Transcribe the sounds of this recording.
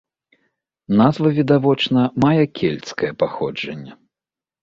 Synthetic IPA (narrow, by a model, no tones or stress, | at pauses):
nazvɐvʲid̪avɔt͡ʂnɐmajɛkʲʰelʲt̪skɐjɛpaxɔd͡ʐɐnʲːɐ